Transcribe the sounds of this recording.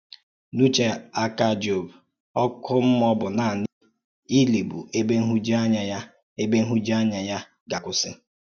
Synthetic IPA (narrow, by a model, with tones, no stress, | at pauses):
nu˦t͡ʃe˨a˦ka˦˨d͡ʒo˨b | ɔ˦kʰʊ˦m̩˦m˦ɔ˦bʊ˨na˨nɪ˦ | i˦le˨bu˨ʔe˦be˦ŋ̩˦ɦu˦d͡ʒa˦ɲa˨j | e˦be˦ŋ̩˦ɦu˦d͡ʒi˦a˦ɲa˨ja˦ | ɡa˨kʊ˦sɪ˦